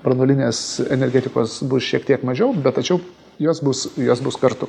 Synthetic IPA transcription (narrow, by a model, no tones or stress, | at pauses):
pɾɐnoːlʲɪnʲeːsɛnʲɛɾʲɡʲɛːt̪ʲɪkoːsbʊsʃʲiɛkt̪ʲiɛkmɐʒʲɛʊbʲɛt̪t̪ɐt͡ʃʲɛʊ | joːsbʊsjoːsbʊskɐɾt̪ʊ